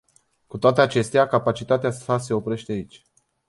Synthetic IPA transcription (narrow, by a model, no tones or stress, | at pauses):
kut̪oat̪e̞at͡ʃe̞st̪eakapat͡ʃit̪at̪easase̞o̞pɾe̞ʃt̪eait͡ʃʲ